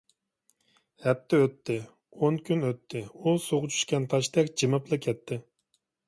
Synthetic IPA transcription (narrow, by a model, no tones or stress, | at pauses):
hɛp̚t̪ʰːɛøt̪ʰːɪ | oŋkʲʰynøt̪ʰːɪusoʁʊt͡ʃʰy̥ʃkʲɛnt̪ʰɑʃt̪ɛkʲd͡ʒɨmɨplˠɨkʲʰɛt̪ʰːɪ